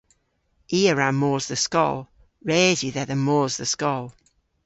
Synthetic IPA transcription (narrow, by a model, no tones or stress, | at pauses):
iːəɹamoːzðəskɔ̰lˠ | ɹɛːzjʉðɛðəmoːzðəskɔlˠ